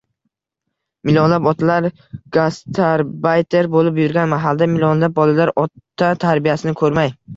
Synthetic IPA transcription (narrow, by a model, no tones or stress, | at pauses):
mɪlʲɒnlapɒt̪ʰalaɾ | ɡ̥ast̪ʰaɾbajt̪ʰeɾbolɪpjʊɾɡʲanmaɦalˠd̪amɪlʲonlap̚bɒlalaɾɒt̪ʰːat̪ʰaɾbijasɪnɪkʰɵɾmaj